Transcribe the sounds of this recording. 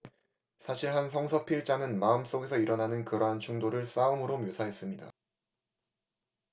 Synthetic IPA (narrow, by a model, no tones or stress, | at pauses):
sʰaɕʰiɭɦans̬ʰʌŋsʰʌpʰiɭt͡ɕ͈aŋɯnmaɯms͈oɡe̞sʰʌiɾʌnanɯnkɯɾʌɦant͡ɕʰuŋdoɾɯɭs͈aɯmɯɾomjosʰaɦe̞s͈ɯmɲida̰